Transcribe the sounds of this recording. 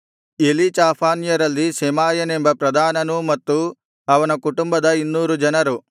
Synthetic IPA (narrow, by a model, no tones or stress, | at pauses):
elit͡ʃaːpʰaːnjɐɾɐlːisemaːjɐne̞mbɐpɾɐd̪ʱaːnɐnumɐt̪ːu | ɐʋɐnɐkuʈumbɐd̪ɐinːuːɾud͡ʒɐnɐɾu